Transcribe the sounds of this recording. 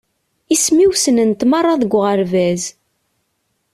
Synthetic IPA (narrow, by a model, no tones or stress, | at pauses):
ismiwsənənt̪mɑrˤːɑðəɡʷʁəɾvæz